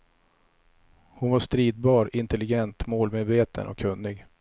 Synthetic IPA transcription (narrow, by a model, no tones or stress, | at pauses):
hʊnvaʂt̪ɾiːd̪̚bɑːɾɪnt̪ɛlɪɡɛnt̪moːlmeːd̪veːt̪ʰə̰nʔɔ̰kʰːɵnːɪɡ